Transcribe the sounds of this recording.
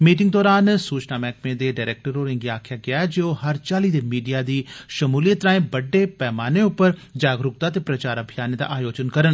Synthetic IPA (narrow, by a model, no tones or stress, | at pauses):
miːʈ̬ɪŋɡd̪ɔːɾaːnsuːt͡ʃnaːmɛːkmẽːd̪eːɖaːɾɛːk̚ʈəɾoːɾɪŋɡiaːkʰjaːɡɪaːɛd͡ʒeːoːɦəɾt͡ʃaːliːd̪eːmiːɖijaːd̪iːʃəmuːlijət̪ːɾaːẽːbəɖːeːpɛːmaːneːʊpːəɾd͡ʒaːɡɾʊk̚t̪aːt̪eːpɾət͡ʃaːɾəbʱɪjaːneːd̪a̰ːʔaːjoːd͡ʒənkəɾən